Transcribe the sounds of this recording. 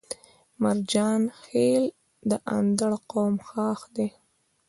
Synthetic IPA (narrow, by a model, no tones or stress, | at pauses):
maɾd͡ʒɑːnxel | d̪əʔa̰nd̪aɽqowmxɑːxd̪e